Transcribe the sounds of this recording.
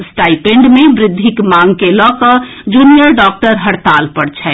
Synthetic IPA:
sʈaːipẽɳɖmẽbɾɪd̪ʱːikmãŋɡkelɔkəd͡ʒuːnijəɾɖɔːk̚ʈəɾɦəɾt̪aːlpəɽt͡ʃʰɛ

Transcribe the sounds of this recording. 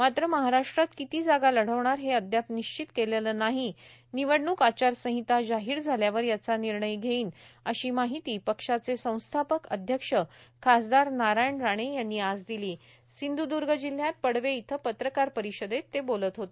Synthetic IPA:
mat̪ɾəməɦaɾaʂʈɾat̪kit̪iːd͡zaɡaləɽ̤əʋɳaɾɦeəd̪ʱjapniɕt͡ɕit̪kelelənaɦi | niʋəɽɳuːkat͡ɕaɾsə̃ɦit̪ad͡ʑaɦiːɾd͡zʱaljaʋəɾjat͡saniɾɳəjɡʱeiːnəɕiːmaɦit̪iːpəkʂat͡sesə̃w̃st̪ʰapəkə̰d̪ʱjəkʂəkʰasd̪aɾnaɾajəɳɾaɽ̃ejanːiːad͡zd̪iliː | sind̪ud̪uɾɡʱəd͡ʑil̤jat̪̚pəɽʋeit̪ʰəpət̪ɾəkaɾpəɾiɕəd̪et̪ːebolət̪ɦot̪

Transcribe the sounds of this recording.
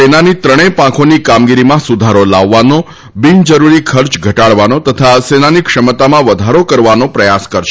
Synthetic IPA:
enanit̪ɾəɽ̃epãkʰonikamɡiɾimãsud̪ʱaɾolaʋːano | bind͡ʒəɾuɾikʰəɾt͡ʃɡʱəʈaɭʋanot̪ət̪ʰasenanikʃəmət̪amãʋəd̪ʱaɾokəɾʋanopɾəjaskəɾʃ

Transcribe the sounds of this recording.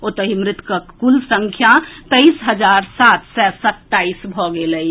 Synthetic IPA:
ot̪əɦimɾɪt̪kəkulsəŋkʰjat̪əisɦəd͡ʒaɾsat̪sɛsət̪ːaisbʱɔɡeləi

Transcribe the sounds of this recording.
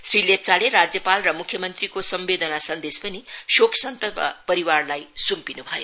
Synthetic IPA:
srilep̚t͡saleɾad͡zjʌpalrʌmukʰjʌmʌnt̪rikosʌmbed̪ʌnasʌnd̪espʌniʃokʰsʌnt̪ʌkʌ̰pʌɾiwarlajsumpinubʱʌjo

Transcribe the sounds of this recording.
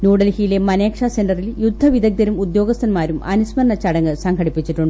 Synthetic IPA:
nuːɽɐlhijile̞mɐneːkʂaːse̞ndɐriljud̪ʱːɐʋid̪ɐɡ̚d̪ɐɾumud̪jo̞ːɡɐst̪ʰɐnmaːɾumɐ̰nusmɐɳɐt͡ɕɐɽɐŋːɨsɐŋɡʰʱɐɽipːit͡ɕːiʈːuɳɖ

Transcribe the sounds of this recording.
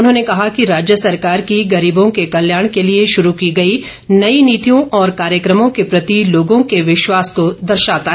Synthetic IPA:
ʊnɦõːnekɐɦakiɾaːd͡ʒjəsɐɾkaːɾkiɡɐɾiːbõkekɐljaːɽ̃kelieʃʊɾukiɡɐi | nɐiniːt̪ijõʔɔːɾkaːɾjəkɾəmõkepɾɐt̪iloːɡõkeʋɪʃwaːskod̪ɐɾʃaːt̪aɦɛː

